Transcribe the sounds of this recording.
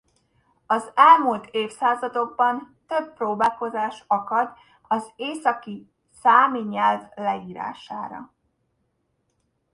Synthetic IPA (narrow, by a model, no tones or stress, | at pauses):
ɒzɛlmult̪ʰeːfsaːzɒd̪o̞ɡ̚bɒnt̪øbproːbaːlko̞zaːʃɒkɒd̪ | ɒzeːsɒki | saːmiɲɛlvlɛiːɾa̰ːʃa̰ːɾɒ̰